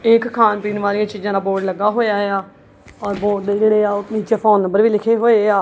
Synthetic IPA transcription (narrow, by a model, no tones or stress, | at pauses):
ɪkkʰːaːnpiːnʋaːɾijãːt͡ʃiːd͡ʒãːd̪aːboːʈləɡaːɦoːjaːeaː | ɔːɾboːʈd̪eːd͡ʒeːɽeːaːniːt͡ʃaːpʰoːnːə̃mbəɾʋiːlɪkʰeːɦoːeːaː